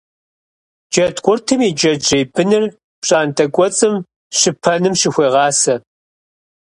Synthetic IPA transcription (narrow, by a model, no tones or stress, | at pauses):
d͡ʒɐtkʷʼʊrtʰɨmid͡ʒɐd͡ʒejbɨnɨr | pɕʼaːntʼɐkʷʼɔt͡sʼɨm | ɕɪpʰɐnɨmɕɪxʷeːʁɑːsɐ